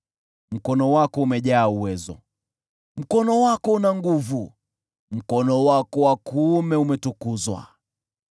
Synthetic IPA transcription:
m̩kɔnɔwakɔumɛʄaːuwɛzɔ̰ | m̩kɔnɔwakɔunaŋɡuvu | m̩kɔnɔwakɔwakuːmɛumɛtukuzwa̰

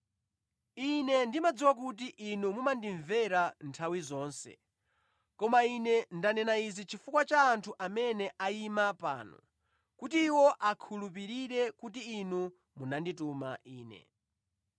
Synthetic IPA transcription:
inɛndimad͡ziwak̬utiʔːnumumandiɱvɛɾantʰawizɔːnsɛ̰ | kɔmainɛndanɛnaizit͡ʃʰifukwat͡ʃaːntʰuʔamɛnɛʔaimapa̰ːnɔ̰ | kutiːwɔʔakʰulup̬iɾiɾɛkutiːnu | munandituma̰ʔiːnɛ̰

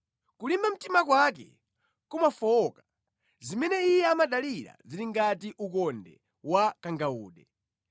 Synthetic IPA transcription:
kulimbam̩timakwak̬ɛ̰ | kumafɔɔkḁ | zimɛnɛijɛamaɗaliɾa̰ziɾiŋɡatiʔukɔndɛ̰ | wakaŋɡauːɗɛ

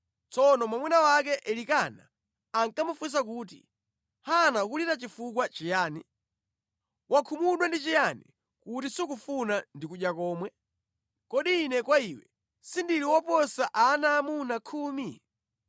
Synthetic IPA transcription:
t͡sɔnɔmwamwinawak̬ɛʔɛlikana̰ː | ŋkamufus̬ak̬uːt̬ḭ | hanak̬ulitat͡ʃifukwat͡ʃijaːnḭ | wʔakʰumuɗwɛndit͡ʃijanḭ | kutisuk̬ufunandikuʄjakɔːmwɛ | kɔɗiːnɛkwaiwɛ̰ | sindiliwɔpɔsaʔanaːmunakʰuːmi

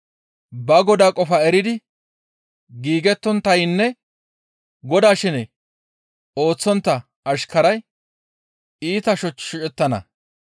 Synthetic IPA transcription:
bɐɡɔd̪aːkʼɔfɐɛɾɪd̪ɪ | ɡiːɡɛt̪ːɔnt̪ːɐjnːɛ | ɡɔd̪aːʃɪnɛ | o̞ːt͡sːɔnt̪ːɐ | ɐʃkɐɾɐj | iːt̪ɐʃɔt͡ʃʃɪt͡ʃʼɛt̪ːɐnɐ̰

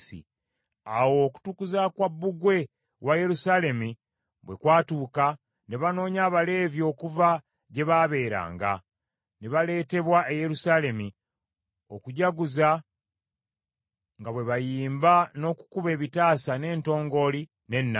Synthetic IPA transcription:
sḭ | awo̞ku̥tukuzakwabːuɡwe̞ | waje̞ɾusaːle̞mi | βwe̞kwaːtuːka | ne̞βano̞ːɲaːβale̞ːvjo̞ːkuva | ɟe̞βaβe̞ːɾa̰ːŋɡa̰ | neβale̞ːte̞βwaʔeje̞ɾusaːle̞mi | o̞kuɟaɡuza | ŋɡaβwe̞βajiːmbano̞ku̥kuβe̞ːβitaːsane̞ːnto̞ːŋɡo̞li | ne̞nːa

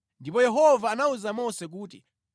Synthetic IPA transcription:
ndip̬ɔjɛɦɔvaːnauzamɔsɛk̬uːtḭ

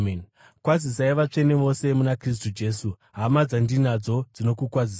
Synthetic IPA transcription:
n | kwazis̬aiʋat͡ʂe̞ne̞ʋo̞se̞munakris̬tud͡ʒe̞ːsu | ɦamad͡zandinad͡zo̞d͡zino̞kukwazis

